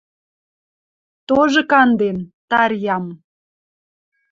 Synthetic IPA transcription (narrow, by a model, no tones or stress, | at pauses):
t̪oʒɤ̆kɑnd̪ent̪ɑɾjɑm